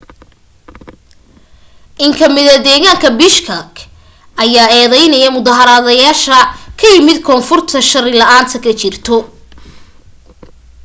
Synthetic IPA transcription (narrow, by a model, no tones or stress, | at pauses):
ʔɪŋkʰɐmɪðɐd̪ɛːɣaːŋkʰɐbɪʃkʰɐk | ʔɐjaːɛːðɛjnɐjɐmʊðaɦɐɾaːðɐjaːʃɐkʰɐjɪmɪd̪kʰɔːnfʊrt̪ʰɐʃɐrɪlɐʔaːnt̪ʰɐkʰɐt͡ʃɪrt̪ʰɔ